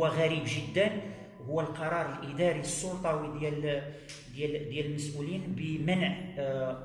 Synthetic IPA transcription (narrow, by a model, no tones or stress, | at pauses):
æɣæɾibʒəd̪ːən | hʊwːælqɑɾˤɑɾˤəlʔəd̪ɑɾiəsˤːolt̪ˤɑwid̪jæl | d̪jæld̪jæləlməsʔulinbəmənʕ